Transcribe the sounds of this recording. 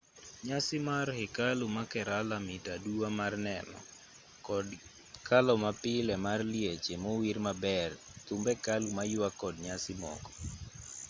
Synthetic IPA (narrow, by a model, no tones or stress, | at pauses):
ɲasɪmarhɪkalumakɛɾalamɪtaduamarnɛnɔ̰ | kʰalɔmapɪlɛmarljet͡ʃemowirmabɛrt̪umbɛkalumajwakɔdɲasɪmɔ̰kɔ